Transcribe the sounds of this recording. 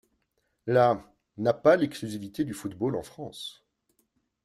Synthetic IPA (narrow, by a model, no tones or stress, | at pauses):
la | napalɛksklyzivit̪ed̪yfut̪bolɑ̃fχɑ̃s